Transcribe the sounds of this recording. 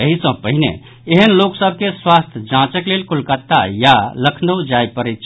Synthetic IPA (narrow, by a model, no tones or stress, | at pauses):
əɦisɔ̃pəɦinḛ | eɦənloːksəb̚ʱkeswaːst̪ʰd͡ʒãːt͡ʃəkleːlkʰʊlkət̪ːa̰jaləkʰnəwd͡ʒaːjpəɾit̪ʰ